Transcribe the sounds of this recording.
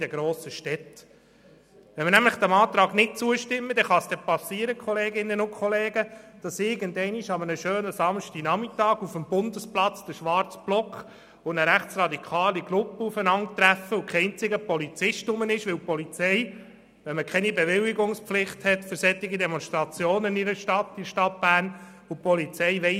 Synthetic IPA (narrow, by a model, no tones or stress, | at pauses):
dɛɡɾoːsəʃtɛt | ʋɛnmənæmləχd̥̪æmɑːt̪ɾɑːɡnɪt̚t͡suəʃtɪmːəd̥̪ɛχɑsd̥ɛpɑsːiːəɾəkχɔleːɡɪnːənʊkχɔleːɡəd̥ɑsɪɡəndɛɪniʃɑmənəʃøːnəsɑmʃtinɑmitɑːɡufəmb̥ʊnd̪əsplɑt͡sd̥̪əʃʋɑrt͡sb̥lɔkχ | ʊnəɾæχt͡srɑd̪ikʰɑːliɡ̥lʊpːəufənɑŋt̪ɾæfəʊkʰɛɪnt͡sɪɡəpɔlit͡sɪʃtʊmənɪʃʋɪlpɔlit͡sɛɪ | ʋɛnməkʰɛnibeʋɪliɡʊŋspflɪχthɛtfɵɾsɛt̪ːɪɡidɛmɔnst̪ɾɑt͡sjoːnɪniɾəʃtɑt̪ːiʃtɑt̚b̥æːrnʊpɔlit͡sɛɪʋɛɪ